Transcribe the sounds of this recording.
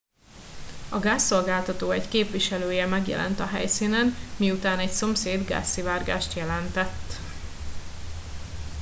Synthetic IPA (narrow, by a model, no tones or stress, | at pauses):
ɒɡaːsːo̞lɡaːlt̪ɒt̪oːɛckeːpʋiʃɛløːjɛmɛɡjɛ̰lʔɛ̰nt̪ɒɦɛ̰jsinɛnmiut̪aːnɛcso̞mseːd̪ɡa̰ːsːivaːrɡa̰ːʃt̪jɛlɛnt̪ɛt̪ː